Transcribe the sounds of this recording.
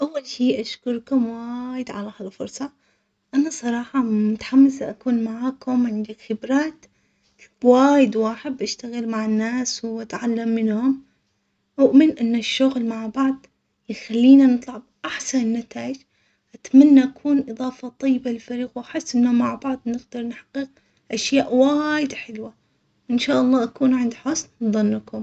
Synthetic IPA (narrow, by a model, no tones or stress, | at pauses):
ʔawːalʃiːʔaʃkʊɾˤkʊmwaːjɪd̪ʕalahalfʊɾˤsˤɑ | ʔanasˤɑɾˤɑːħɑmʊt̪ḁħamːɪsaʔakuːnmaʕaːkʊmʕɪnd̪akxɪbɾaːt̪ | waːjɪd̪waːħɪd̪̚ʔaʃt̪aɣɪlmaʕɪnːaːswʔat̪ʕalːamːɪnhʊm | ʔʊʔmɪnʔɪnːaʃːʊɣlmaʕbɑʕd̪ˤ | jxalːiːnanɨt̪ˤlɑʕbʔaħsannːat̪aːɪd͡ʒ | ʔat̪manːaʔakʰuːnʔɨðˤɑːfɑt̪ˤɑjːbalɪlfaɾiːqwʔaħɪsːʔɪnːamaʕbɑʕd̪ˤnɪɡd̪ɑɾˤnħḁqːiq | ʔaʃjaːʔwajɪd̪ħɪlwa | ʔɪnʃaːʔɑlˤːɑːʔakuːnʕɪnd̪ħʊsnðˤɨnːɪkʊm